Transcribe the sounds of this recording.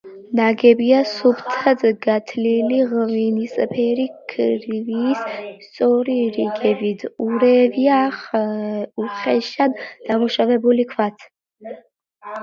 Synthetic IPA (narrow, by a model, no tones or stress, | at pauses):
naɡɛbiasubt̪ʰad̪ɡat̪ʰliliʁvinispʰɛɾikʰɾiviːsst̪sʼɔɾiɾiɡɛbid̪uɾɛviaχ | uχɛʃand̪̥amuʃavɛbulikʰvat̪ʰ